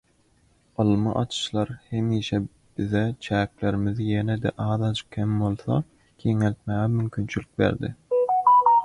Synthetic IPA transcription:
ɑlˠmɯ̰ʔɑt͡ʃ̪ʰɯ̥ʃlˠɑɾhemiːʃɛ | b̥ɪðɛt͡ʃʰæːkleɾɪmɪðjened̪ɛʔɑːðɑt͡ʃkʲʰembolˠθɑ̰ | kʲʰeŋelt̪̚mæːɣɛmymkʲʰynt͡ʃʰylyk̚bḛɾd̪ɪ̰

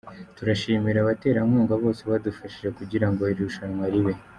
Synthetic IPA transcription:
tuɾaʃiːmiɾaβate̞ːɾamuːŋɡaβo̞ːse̞βadufaʃiʒe̞kuɟiɾaŋɡo̞iɾɾuʃanŋwaɾiβe̞

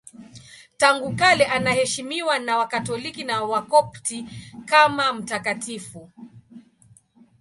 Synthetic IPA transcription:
taŋɡukalɛʔanahɛʃimiwanawakatɔlikinawakɔptikamam̩takatifu

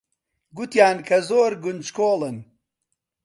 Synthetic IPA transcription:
ɡut̪jaːnkʰɐzoːɾɡʊnd͡ʒkʰoːlɨn

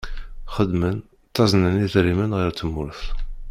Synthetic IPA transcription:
χəd̪mən | t̪ːɑznəniðɾimənʁəɾt̪ːəmːʊɾθ

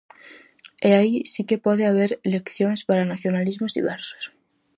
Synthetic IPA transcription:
eaisikepɔðeaβ̞eɾlekθjoŋspaɾanaθjonalizmozðḭβɛɾso̥s

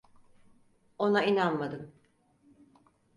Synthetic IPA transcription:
o̞nainanmad̪ɯm

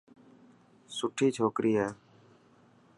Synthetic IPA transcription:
sʊʈʰiːt͡ʃʰoːkɾʔiːɦɛː

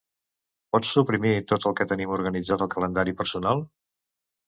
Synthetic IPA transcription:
pɔt͡sːupɾimit̪ot̪əlˠkɛt̪ənimuɾɣənid͡zat̪əlˠkələnd̪aɾipəɾsunalˠ

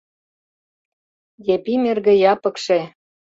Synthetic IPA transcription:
jepimerɣĕjɑpəkʃe

